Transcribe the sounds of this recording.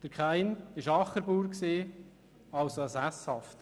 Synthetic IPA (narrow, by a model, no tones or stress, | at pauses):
d̥əɾkʰχæɪnɪʃɑχːəɾbuːɾksiː | ɑlsoəsæshɑft̪